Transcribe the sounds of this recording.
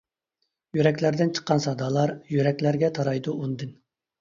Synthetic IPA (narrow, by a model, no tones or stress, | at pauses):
jyɾɛkʲlæɾd̪ɪnt͡ʃʰə̥qːɑnsɑd̪ɑlˠɑɾjyɾɛkʲlæɾɡʲɛt̪ʰɑɾɑjd̪uʔund̪ɨn